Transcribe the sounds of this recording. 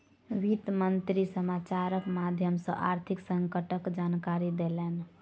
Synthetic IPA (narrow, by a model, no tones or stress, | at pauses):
ʋit̪mənt̪ɾisəmat͡ʃaɾəkmad̪ʱjəmsə̰̃ʔa̰ɾt̪ʰiksəŋkəʈəkd͡ʒankaɾid̪elen